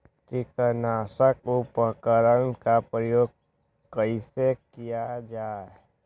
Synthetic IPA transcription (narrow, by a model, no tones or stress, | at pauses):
kikənaːsəkopəkəɾənkapɾəjoːɡ̚ | kəisekijad͡ʒaːe